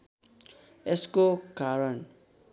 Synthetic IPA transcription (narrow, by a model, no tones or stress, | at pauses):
eskoɡaɾʌn